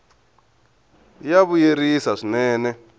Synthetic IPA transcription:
jaβujeɾisaʂinɛːnɛ

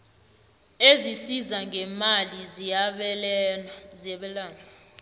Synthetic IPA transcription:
ezisizaŋɡʱɛmalizijaɓ | zɛɓɛlaːna

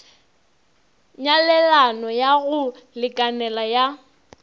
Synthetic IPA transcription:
ɲalɛlanɔjaɣʊlɪkʼanɛlaja

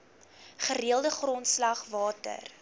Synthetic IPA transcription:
χəɾiəlˠdəχrɔntslɐχvɑːtə̰r

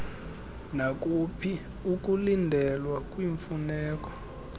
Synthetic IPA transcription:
nak̬ʼupʰi | uk̬ʼulindʱɛlwakʼwiɱfunɛːk̬ʼɔ̥

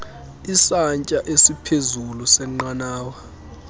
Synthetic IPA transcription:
isaɲt͡ʃʼaʔesipʰezulusɛŋ͡ǃanaːwa

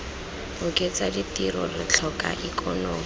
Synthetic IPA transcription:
ʊkʼet͡saditiɾɔrɪt͡ɬʰɔka̰ʔikɔnoːm

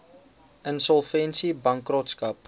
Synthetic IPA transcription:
ʔənsɔlˠfɛnsibɐŋkroːtskɐp̚

